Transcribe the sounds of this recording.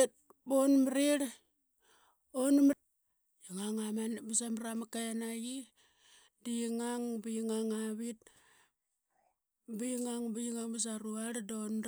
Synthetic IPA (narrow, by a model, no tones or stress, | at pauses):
t̚ | bonmɾiɾ | onm | jiŋaŋamanbisamɾamakanaji | diŋaŋbijiŋaŋaβit̚ | bijŋaŋbijiŋaŋbas̬aɾuaɾdon